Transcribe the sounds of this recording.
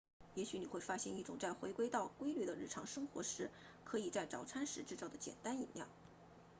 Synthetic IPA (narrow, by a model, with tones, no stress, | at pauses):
jɛ˧˥ɕy˧˥ni˨˩xwe˥˧ɪfa˥ɕjɛ̰˥˧ni˥˩ʈ͡ʂʊ˨˩ŋt͡sa˥˩ɪxwe˧˥ɪkwe˥ɪt̪ɑ˥˩ʊkwe˥ɪly˥˩d̪ə˩ɻ̩˥˩ʈ͡ʂʰɑ˧˥ŋʂɤ˥ŋxwɔ̰˧˥ʂɻ̩˧˥ | kʰɤ˧˥i˨˩t͡sa˥˩ɪʈ͡ʂɑ˨˩ʊʈ͡ʂʰa˥nʂɻ̩˧˥ʈ͡ʂɻ̩˥˧t͡sɑ˥˩ʊd̪ə˦t͡ɕjɛ̰˨˩nt̪a˥ni˨˩nljɑ̰˥˩ʊ